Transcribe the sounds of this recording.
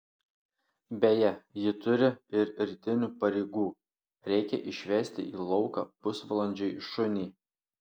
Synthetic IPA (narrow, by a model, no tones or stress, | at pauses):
bʲeːjɛjɪt̪ʊɾʲɪɪɾɾʲt̪ʲɪnʲuːpɐɾʲɛɪɡuː | ɾʲɛɪkʲɛ̰ʔɪʃʲʋʲɛːsʲt̪ʲɪ̰ʔiːlˠɒʊkɑ̰ːpʊsʋɐlˠɐnʲd͡ʒʲɛɪʃʊnʲiː